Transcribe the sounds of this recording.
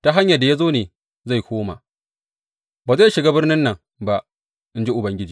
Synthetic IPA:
ta˦ɦa˦ɲja˨da˨ja˦zoː˦neː˨ | za˦˨jkʷoː˦ma̰˨ | baː˨za˦jʃɪ˨ɡa˦bɪ˦rnɪ˦nːɐ˨ŋ | ba˦ʔ | ʔɪ˦nd͡ʒe˦ʔʊ˨bɐ˦ŋɡʲɪ˦d͡ʒiː˨

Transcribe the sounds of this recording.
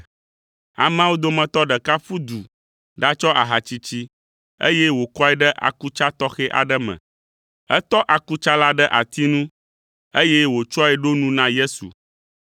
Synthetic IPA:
a̰˨mã˦wo˦d̪o˦mɛ̃˨t̪ɔ˦ɖə˨ka˦fu˦d̪u˨ | ɖa˦t͡ʃɔ˦ʔa˨ɦa˨t͡ɕi˦t͡ɕi˦ | ḛ˦je˦wo˨kɔ˦ɛ˨ɖə˦ʔa̰˨ku˦t͡ʃa˦t̪ɔ˦xɛ˦ʔa̰˨ɖə˦mɛ̰̃˨ | ɛ˦t̪ɔ˦ʔa˨ku˦t͡ʃa˦la˦ɖə˦ʔa˨t̪i˦nũ˦ | e˦je˦wo˨t͡ʃɔ˦ɛ˨ɖo˦nũ˦nã˦je˦sṵ˨

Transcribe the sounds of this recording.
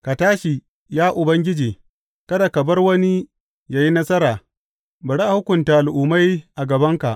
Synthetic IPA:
ka˨taː˦ʃi˨ | jaː˦ʔʊ˨bɐ˦ŋɡʲɪ˦d͡ʒiː˨ | kɐ˦da˨kɐ˨bɐ˦rwɐ˦ni˦ | jaː˦ji˦nɐ˦sɐ˦ɾaː˨ | bɐ˨ɽa˦ʔa˨hʊ˦kʷʊ˨ntaː˨ʔa˨ʔʊ˨ma˦jʔa˨ɡɐ˨bɐ˦ŋka˨ʔ

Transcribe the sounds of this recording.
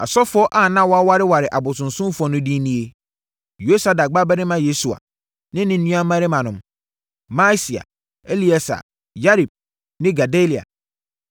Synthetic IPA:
a̰˨sɔ˦fʊ˦ɔ˦ʔa˦˨nã˦wɔ˦a˦wa˦ɾɪ˦wa˨ɾɪ˨ʔa˨bʊ˨sʊ̃˨nsʊ̃˦fɔ˨nʊ̃˦dĩ˦nĩ˦e˦ | jo˦sa˨da˨ɡ͡ba˦bɛ˦nɪ̃˦mã˦je˦su˨a̰˨ | nɪ̃˦nɪ̃˦n̩˦nũ˦ã˦mã˦ɾɪ˦mã˨nʊ̃˨m | ma˦si˨a̰˨ | e˦li˦a˨sa̰˨ | ja˦ɾi˨b̚ | nɪ̃˦ɡa˨de˦li˨a̰˨

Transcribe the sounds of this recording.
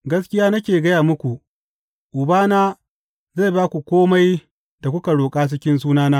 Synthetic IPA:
ɡɐ˦skʲɪ˦jaː˦nɐ˦kʲeː˨ɡɐ˦jaː˨mʊ˦kʷu˨ | ʔʊ˨baː˦naː˦ | za˦˨baː˦kʷu˨kʷoː˦ma˦j | da˨kʷʊ˦ka˨ɽoː˨kʼaː˦s̬ɪ˦kʲɪ˦ns̬uː˦naː˦naː˦

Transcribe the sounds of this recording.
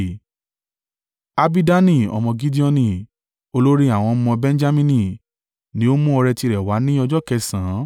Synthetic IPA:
a˧bi˦da˦nĩ˦˨ɔ̰˧mɔ̃˧ɡi˦di˦ɔ̃˧nĩ˧˨ | o˧lo˦ɾi˦a˦˨w̃ɔ̃˧˦mɔ̃˧bɛ̃˦n˦d͡ʒa˦mĩ˧˦nĩ˧˨ | nĩ˦o˦mũ˦ɔ˧ɾɛ˧ti˧ɾɛ˨wa˨˦nĩ˦ɔ˧d͡ʒɔ˦kɛ˧sã˨˦

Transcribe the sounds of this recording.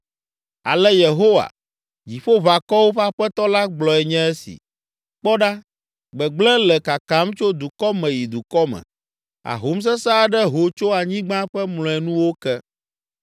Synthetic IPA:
a̰˨lɛ˦je˨ɦo˦wa̰˨ | d͡ʑi˨ɸo˦βa˨kɔ˦wo˦ɸa˦ɸɛ˦t̪ɔ˦la˦ɡ͡blɔ˨ɛ˨ɲɛ̃˦ɛ˦sḭ˨ | k͡pɔ˦ɖa˦ | ɡ͡bɛ˨ɡ͡blɛ̃˦lɛ˨ka˨ka˨˦mt͡ʃo˦d̪u˨kɔ˦mɛ̃˨ji˨d̪u˨kɔ˦mɛ̰̃˨ | a̰˨ɦo˦ms̬ɛ˦sa˦ɖɛ˦ɦo˨t͡ʃo˦a˨ɲĩ˦ɡ͡bã˦ɸɛ˦mlɔ̃˨ɛ˨nũ˦wo˦kɛ˦

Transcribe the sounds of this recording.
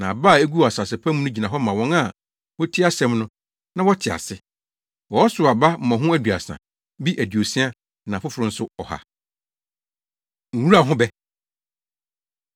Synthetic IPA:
nã˨a˨ba˦˨e˦ɡu˦˨a˨sa˨sɛ˨pʰa˦mũ˦nʊ̃˦d͡ʑi˨nã˨ɦɔ˦mã˨wɔ̃˦ŋa˦ | wɔ˦tʰi˦a˦sɛ̃˦mnʊ̃˦ | nã˦wɔ˦tʰɪ˨a̰˨sɪ˦ | wɔ˨ɔ˦sʊ˨a˨ba˦m̩˨mɔ̃˨ɦʊ̃˦æ˦dɥa̰˨sã̰˨ | bi˦ʔæ˨di˨o˨sĩ˦a˦ | nã˨fʊ˦fʊ˨ɾʊ̃˦n̩˦sʊ˦ɔ˨ha̰˨ | ŋ̩˨wu˦ɾa˨ɦʊ̃˦bɛ˦

